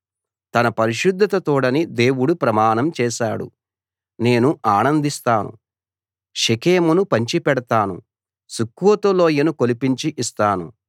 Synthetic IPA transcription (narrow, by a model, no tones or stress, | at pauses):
t̪ɐnɐpɐɾiʃud̪ʱːɐt̪ɐt̪uːɽɐnid̪e̞ːwuɽupɾɐmaːnɐmt͡ʃɛːʃaːɽṵ | ne̞ːnuʔaːnɐnd̪ist̪aːnṵ | ʃikeːmunupɐɲt͡ʃipɛɽɐt̪aːnṵ | sukːuwɐt̪ulo̞ːjɐnukolipiɲt͡ʃiʔist̪aːnṵ